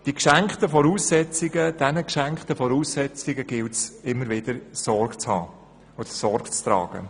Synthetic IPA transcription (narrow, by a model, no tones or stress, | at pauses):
d̥ikʃæŋktəfɔɾuːsːɛt͡sɪɡəd̥ɛnəkʃæŋktəfɔɾuːsːɛt͡sɪɡəɡ̥ɪltsɪmːəɾvɪd̥əɾsɔɾɡt͡shɑ̰ː | od̥̪əsɔɾɡ̥t͡stɾɑ̰ːɡ̥ə̰